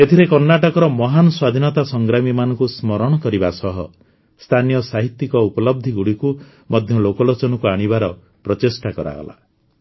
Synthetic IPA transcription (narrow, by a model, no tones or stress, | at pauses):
et̪ʰiɾekɔɾnaʈɔkɔɾɔmɔɦanɔswad̪ʱinɔt̪asɔŋɡɾamimanɔŋkusmɔɾɔɽ̃ɔkɔɾibasɔɦɔ | st̪ʰanijɔsaɦit̪ːikɔupɔlɔb̚d̪ʱiɡuɽiku | mɔd̪ʱjɔlokɔlot͡ʃɔnɔkuaɽ̃ibaɾɔ | pɾɔtesʈakɔɾa̰ɡɔ̰la̰